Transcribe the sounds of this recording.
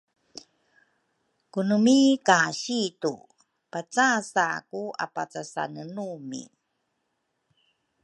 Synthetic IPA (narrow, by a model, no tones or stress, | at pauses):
kunumikaɕitṵ | pat͡sasakua̰pat͡sasa̰nənumḭ